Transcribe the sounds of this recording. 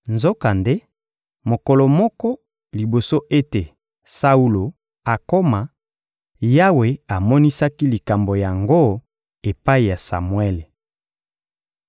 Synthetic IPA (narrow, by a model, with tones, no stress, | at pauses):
nzo˦ka˨nde˦ | mo˨kɔ˨lɔ˨mɔ˦kɔ˦ | li˨bo˨so˦ʔe˦te˨ | sa˦u˦lo˨ | a˨ko˦ma˨ | ja˦we˨a˨mɔ˦ni˦sa˦ki˦li˨ka˨mbo˨ja˨ŋɡo˦ | e˨pa˦i˨ja˨sa̰˨mwe˦le˨